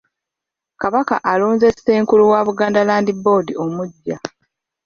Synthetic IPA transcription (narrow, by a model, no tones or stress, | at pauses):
kaβaka̰ʔalo̞ːnze̞se̞ːŋkuluwaβuɡaːndalaːndibo̞ːdiʔo̞muɟːa